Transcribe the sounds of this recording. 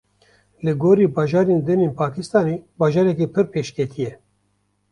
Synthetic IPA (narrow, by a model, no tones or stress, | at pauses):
lɨɡoːɾiːbɑːʒɑːɾeːnd̪ɨneːnpʰɑːkʰɪst̪ɑːneːbɑːʒɑːɾɛkiːpʰɨɾpʰeːʃkɛt̪ʰijɛ